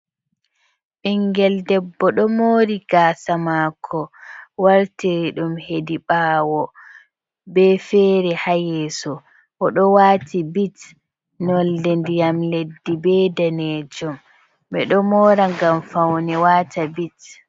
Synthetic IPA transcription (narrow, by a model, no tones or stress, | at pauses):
ɓiŋɡɛldɛbːɔɗɔmoːɾiɡ̥aːsamakʰːɔwaɾtɛɗumhediɓaːwɔ | bɛfɛɾɛhajɛːsɔ | ʔɔɗɔwaːtibit | nɔldɛndijamledːibɛdaneːd͡ʒɔm | ɓɛɗɔmɔɾaŋɡamfawnɛwaːtʰabit